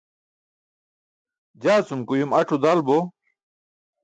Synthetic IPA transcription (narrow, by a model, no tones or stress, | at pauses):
d͡ʑaːt͡sumkujumɐʈ͡ʂud̪albo